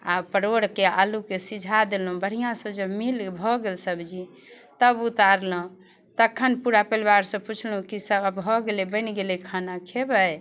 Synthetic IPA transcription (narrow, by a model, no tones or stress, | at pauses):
a̰pəɾoɽkea̰lukesid͡ʒʱad̪elũbəɽ̤ijãsə̃d͡ʒəmilbʱɔɡelsəbd͡ʒi | t̪əbut̪aɾlə̃ | t̪əkʰːənpuɾapəlbaɾsə̃put͡ʃʰlũkisəbbbʱɔɡelebənɡelekʰanakʰebəj